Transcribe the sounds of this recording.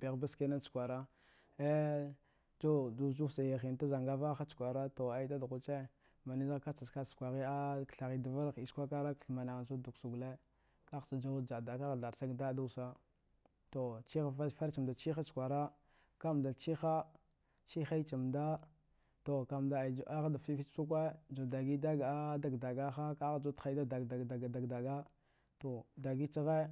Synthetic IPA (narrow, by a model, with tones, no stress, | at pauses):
bi˨ɣba˦ske˦na˦t͡ʃu̥˨kʷa˨ɾa˦ | e˦ | d͡ʒu˦du˦˨d͡ʒu˦sa˨ja˨xi˨n˨ta˦za˨ŋɡa˦va˦xa˦t͡ʃu̥˨kʷa˨ɾa˦to˨a˨i˦ta˦dɣu˦t͡ʃe˦ | ma˨ni˦za˦ka˦t͡sa˨ska˦t͡ʃkʷa˨ɣi˦a˦kɬa˨ɣi˨da˨va˦ɾi˨skʷa˦ka˦ɾa˦kɬma˨na˨ɣa˨su˦du˨ksu˨ɡle˦ | ka˦˨sa˨d͡ʒa˦u˦d͡ʒa˨da˨ka˦ɣda˨ɾsa˦ɡda˦du˦˨sa˦ | to˨t͡ʃi˦xa˦fa˦fa˦ɾt͡ʃi˨mda˨t͡ʃi˦xa˦skʷa˨ɾa˦ | ka˦˨m˨da˨t͡ʃi˦xa˦ | t͡ʃi˦xa˦i˦t͡ʃi˨mda˦ | to˨ka˨mda˨d͡ʒʔa˦ɣa˦da˨fi˦fi˦t͡ʃt͡ʃu˦k̬we˦d͡ʒu˨da˨ɡi˦da˦ɡa˦da˨ɡda˨ɡa˦xa˦ka˦ɣa˦d͡ʒu˦txa˦da˦da˨a˨a˨ɡda˨ɡda˨ɡa˦ | to˨da˨ɡi˦t͡ʃi˦ɣe˦